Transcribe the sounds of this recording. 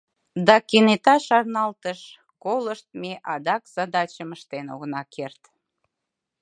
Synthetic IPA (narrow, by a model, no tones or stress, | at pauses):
d̪ɑkenet̪ɑʃɑrnɑlt̪əʃ | koləʃt̪̚meʔɑd̪ɑkz̥ɑd̪ɑt͡ɕəməʃt̪eno̰ɣnɑkʰert̪